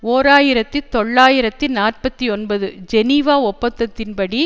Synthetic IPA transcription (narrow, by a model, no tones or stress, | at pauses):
oːɾaːjɪɾɐt̪ːit̪ːɔɭːaːjɪɾɐt̪ːinaːrpɐt̪ːiɔnbɐðɯd͡ʒɛniʋaːɔpːɐt̪ːɐt̪ːɪnpɐɽi